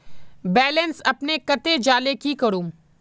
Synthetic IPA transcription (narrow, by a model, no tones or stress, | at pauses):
bɛːlənsɐpnekɐt̪ed͡ʒaːlekikɐɾũː